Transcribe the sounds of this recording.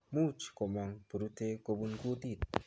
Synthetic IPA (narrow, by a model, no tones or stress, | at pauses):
mut͡ʃkomaŋpuɾut̪ekobuŋkut̪it̪